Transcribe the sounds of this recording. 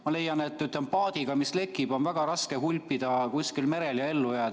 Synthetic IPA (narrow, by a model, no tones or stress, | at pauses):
mɑle̞jːɑne̞t̪ːˑyt̪lempɑːd̪̥iɡ̥ɑmisle̞kːˑib̥o̞nvæɡ̥ɑɾɑskeɦulʲpːid̪̥ɑkuskilme̞ɾe̞ljɑe̞lːujæːd̪